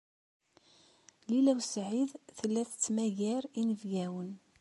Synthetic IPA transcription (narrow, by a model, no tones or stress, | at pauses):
lilæwsʕiðθəlːæθə̥t͡sːmæʝæɾinəvɡæwən